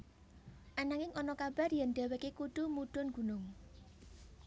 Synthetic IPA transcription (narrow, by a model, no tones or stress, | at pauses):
ʔanaŋɪŋɔnɔkab̥arjɛnɖ̥a̤wekekuɖ̥umuɖ̥ʊ̤nɡ̥ṳnʊŋ